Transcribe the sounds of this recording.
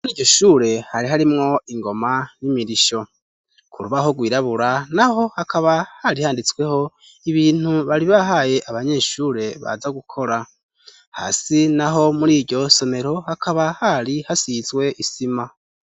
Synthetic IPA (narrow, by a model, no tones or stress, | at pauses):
muɾiːɟo̞ʃuːɾe̞haɾiɦaɾimŋo̞iŋɡo̞manimiɾiʃo̞ | kʰuɾuβaho̞ɡwiːɾaβuɾanaho̞hakʰaβahaɾihaːndit͡swe̞ho̞ | iβiːn̥uβaɾiβaɦaje̞ʔaβaɲe̞ːʃuːɾe̞βa̰zaɡukʰo̞ɾa | ha̰ːsinaɦo̞muɾiːɾɟo̞so̞me̞ɾo̞hakʰaβahaɾihasizɡwe̞ʔisima